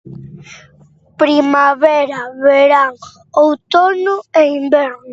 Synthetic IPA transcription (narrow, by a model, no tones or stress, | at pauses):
pɾimaβɛɾaβeɾaŋ | owt̪onʊeimbɛɾnʊ